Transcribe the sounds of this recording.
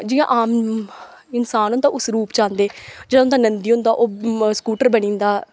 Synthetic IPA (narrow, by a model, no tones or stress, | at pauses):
d͡ʒɪjã̰ʔaːm | ɪnsaːnõnd̪aːʔʊsɾuːpt͡ʃãːnd̪eːd͡ʒeːɽãʊ̃nd̪aːnənd̪iːɦʊ̃nd̪aːʔoːskuːʈəɾbəɽ̃ĩːnd̪aː